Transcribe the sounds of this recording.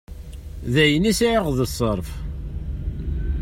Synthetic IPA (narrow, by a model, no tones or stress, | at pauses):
ðæjənisiʕiʁðəsˤəɾˤf